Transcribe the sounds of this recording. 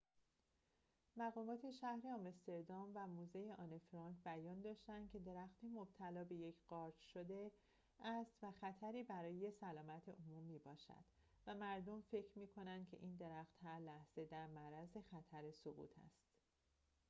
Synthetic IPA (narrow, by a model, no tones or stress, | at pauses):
mæɣɒːmɒːt̪ʰe̞ʃæhɾeɒmest̪e̞ɾd̪ɒmvæmuːzejeʔɒːnefɾɒŋkbæjɒːnd̪ɒːʃt̪ænd̪̥kcʰe̞d̪e̞ɾæxt̪ʰemob̥̚t̪ʰælɒːbe̞je̞cʰɢ̥ɒːɾd͡ʒʃod̪e | æst̪væxæt̪ʰæɾiːbæɾɒːjejesælɒːmæt̪ʰeʔomumːiːbɒːʃæ̰d̪̥ | væmæɾd̪omfe̞cʰɾmiːkʰo̞nænd̪̥kʰe̞ʔiːnd̪e̞ɾæxt̪hæɾlæhz̥e̞d̪æɾmæɾæze̞xæt̪ʰæɾesoɣṵːt̪ʰæ̰st̪